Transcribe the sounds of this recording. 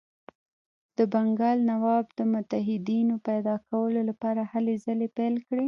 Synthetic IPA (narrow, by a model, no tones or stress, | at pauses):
d̪̥əbaŋɡɑlnawɑbd̪əmʊt̪aɦɪd̪inopajd̪ɑkawəlolapɑɾahalezalepelkɽe